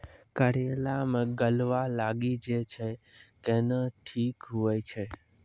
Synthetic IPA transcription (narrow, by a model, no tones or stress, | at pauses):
kəɾelamɡəlʋalaɡid͡ʒet͡ʃʰe | kenəʈʰikɦujt͡ʃʰe